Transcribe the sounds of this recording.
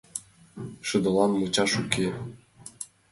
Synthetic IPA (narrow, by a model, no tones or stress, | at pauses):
ʃɯ̆d̪ɤ̆lˠɑnmɤt͡ɕɑʃukʲe